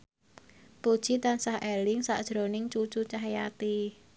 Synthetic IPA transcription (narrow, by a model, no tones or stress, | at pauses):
pud̥ʒ̥it̪ansahɛlɪŋsa̰ʔd̥ʒ̥ɾonɪŋt͡ʃut͡ʃut͡ʃaɦjat̪i